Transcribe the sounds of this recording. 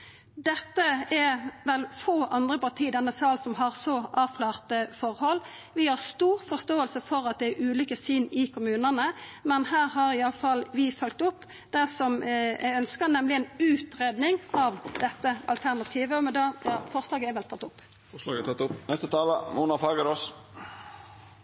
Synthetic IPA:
d̪ɛt̪ːəɛʋɛlfoːʔɑnd̪ʁəpɑʁt̪ʰiːd̪ɛnːəsɑːlsɔmɦɑʁsɔʔɑːʋkʰlɑːʁt̪əfɔʁhɔlː | ʋɪhɑʁst̪uːʁfɔʁst̪oːəlsəfɔɾɑt̪̚d̪ɛæɾʉːlʏkəsyːnɪkʰʊmʉːnənəmɛnhæːɾɦɑɾɪɑlːəfɑlʋɪfœlk̚t̪ʊpː | d̪æsɔmʔæ̰ɪœnskɑnnɛmlɪɛnʉːt̪ɾeːd̪nɪŋɑʋd̪̥ɛt̪ːəʔɑ̰lt̪ʰæʁnɑt̪ʰiːʋəɔmɛd̪ɑjɑːfɔʁslɑːɡəɛʋɛlt̪ʰɑt̪ːʊpː | fɔslɑɡəɛt̪ɑt̪ːʊpnɛst̪ət̪ʰɑːlə̰muːnɑfɑːɡəɾos

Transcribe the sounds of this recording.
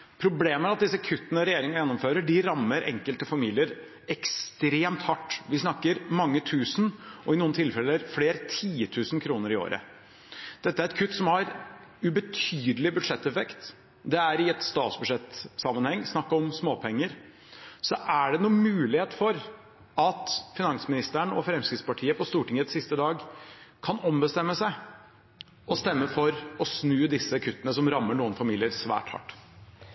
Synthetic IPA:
pʰɾʊbleːmæɾɑt̪̚d̪ɪsːəkʰʉt̪ːnəɾɛjeːɾɪŋɑjɛnːɔmføːɾəɖɪɾɑmːəɾʔɛ̰ŋkəlt̪əfɑmiːlɪəɾ | ɛkst̪ɾeːmt̪hɑʈːʋɪsnɑkːəɾmɑŋːət̪ʰʉːsnʔɔɪnuːənt̪ʰɪlfɛlːəɾfleːɾt̪ʰiːət̪ʰʉːsnkʰɾuːnəɾɪo̰ːɾə̰ | d̪̥ɛt̪ːəæɾɛt̪̚kʰʉt̪ːsɔmhɑɾ | ʉbət̪ʰyːd̪əlɪbʉd̪ʂɛt̪ːɛfɛkt̪ | d̪ɛæɾɪɛt̪st̪ɑːt̪sbʉʂɛt̪sɑmːənhɛŋːsnɑkːəɔmsmoːpʰɛŋːəɾ | sɔʔæɖɛnuːnmʉːlɪheːt̪fɔɾ | ɑt̪fɪnɑŋsmɪnɪst̪əɳɔfɾɛmskɾɪt̪spɑʈʰiːəpɔst̪uːʈɪŋət̪sɪst̪əd̪ɑːɡkʰɑnɔmbəst̪ɛmːəsæɪ | ɔst̪ɛmːəfɔɾɔsnʉːd̪ɪsːəkʰʉt̪ːənəsɔmɾɑmːəɳuːənfɑmiːlɪəɾsʋæ̰ːʈhɑ̰ʈː

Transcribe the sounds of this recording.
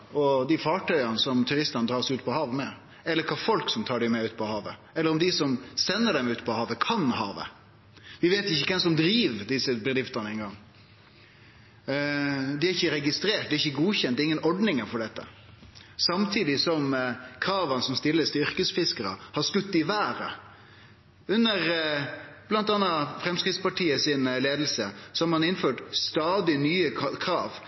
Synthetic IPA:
ɔd̪ɪfɑːʈʰœʏɑnəsɔmt̪ʰʉɾɪst̪ɑnəd̪ɾɑːsɛʉːt̪̚pʰɔhɑːʋmɛ | ɛlːəɾkʰɑfɔlksɔmt̪ʰɑːɖɛɪmɛʉːt̪pʰɔhɑːʋə | ɛlːəɾɔmd̪ɪsɔmsɛnːəɖɛmʉːt̪pʰɔhɑːʋəkʰɑnhɑ̰ːʋə̰ | ʋɪʋeːt̪ɪçːəkʰɛmsɔmd̪ɾiːʋd̪ɪsəbɛd̪ɾɪft̪ənəɛnɡɑŋː | d̪ɪæɾɪçːəɾɛɡɪst̪ɾeːʈ̚d̪ɛæɾɪçːəɡuːçɛnt̪d̪ːɪŋːənɔɖnɪŋəfɔɖɛt̪ːə̰ | sɑmt̪ʰiːd̪ɪsɔmkʰɾɑːʋənəsɔmst̪ɪlːəst̪ʏɾkəsfɪskəɾə̰hɑskʉt̪ːɪʋæːɾə̰ | ʉnːəɾ | b̥lɑnt̪ɑnɑfɾɛmskɾɪt̪spɑʈiːəsɪnleːd̪l̩sə̰sɔɔmɑnɪnføːʈst̪ɑːd̪ɪnyːəkʰɾɑːʋ

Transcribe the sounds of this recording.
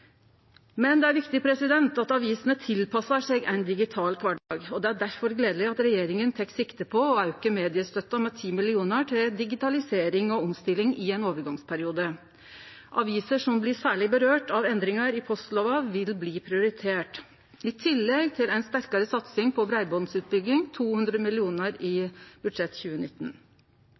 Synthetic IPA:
mɛnd̪ɛæɾʋɪkt̪ɪpʰɾɛsɪd̪ɛnt̪ɑt̪ɑʋiːsənət̪ʰɪlpʰɑsɑʂɛɡæ̰ɪnd̪ɪɡɪt̪ʰɑːlkʰʋɑɖɑːɡɔd̪ɛæɖæɾfɔɾɡleːd̪əlɪɑt̪ɾɛjeːɾɪŋənt̪ʰɛkːsɪkt̪əpʰɔɔɑʉkəmeːd̪ɪəst̪œt̪ːɑmɛt̪ʰiːmɪlɪuːnəʈʰɪld̪ɪɡɪt̪ɑlɪseːɾɪŋɔɔmst̪ɪlːɪŋɪɛɪnoːʋəɾɡɑŋspʰæɾɪuːd̪ə | ʔɑʋiːsəʂɔmblɪsæːɭɪbəɾøːʈɑʋɛnd̪ɾɪŋɑɾɪpʰɔslɔʋɑʋɪlbliːpʰɾɪʊɾɪt̪ʰeːʈ | ɪt̪ʰɪlːɛɡt̪ʰɪlɛɪnst̪æɾkɑɾəsɑt̪sɪŋpʰɔbɾæɪbɔd̪nsʉːt̪̚bʏɡlɪŋt̪ʰuːhʉnd̪ɾəmɪlɪuːnəɾɪb̥ʉd̪ʂɛt̪ːçʉːənɪt̪ːən

